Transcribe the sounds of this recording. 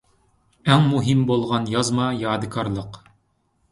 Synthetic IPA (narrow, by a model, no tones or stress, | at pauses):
æŋmuɦimbolˠʁɑnjɑzmɑjɑːd̪ɨkɑɾlˠɤq